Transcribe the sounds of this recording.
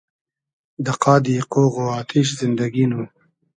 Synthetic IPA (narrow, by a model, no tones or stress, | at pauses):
d̪əqɑːd̪iqoːɣoɑːt̪ʰiʃ̬zɪnd̪aɡinu